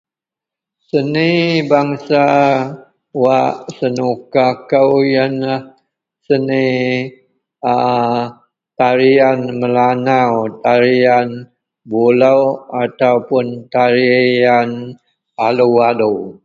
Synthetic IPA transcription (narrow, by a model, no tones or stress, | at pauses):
sənibaŋsa | waʔsənukakəwjanlah | səni | a | t̪aɾianməlanawt̪aɾian | bulawat̪aupʊnt̪aɾian | alualu